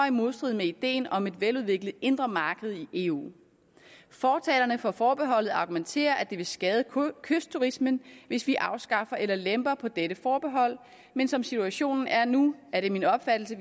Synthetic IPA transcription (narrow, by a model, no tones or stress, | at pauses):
ɒimo̝ð̞ˠsd̥ʁið̩ˠmeid̥e̝̰ːnɒ̽me̝d̥ʋeluð̞ˠʋe̝ɡ̥ləð̩ˠe̝nd̥ʁɐmɑ̈ːɡ̥əð̞̩ˠiʔe̝ṵː | fɒːt͡sʰɛ̰ːlɐnəfɒ̽fɒːb̥e̝ɦɒ̽l̰ð̩ˠɑ̈ɡ̥ument͡sʰe̝̰ːɐʔæd̥e̝ʋe̝sɡ̥ɛːð̞ˠəkʰøsd̥̚t͡sʰuʁismənʋe̝sʋiʔɑ̈ʊsɡ̥ɑ̈fɐʔelɐlemb̥ɐpʰɒ̽d̥eɾəfɒːb̥e̝ɦɒ̽l̰ | mensɒ̽msit͡sʰuæɕo̝̰ːnn̩æɐnuæɐɾe̝minɒ̽b̥fæd̥l̩sə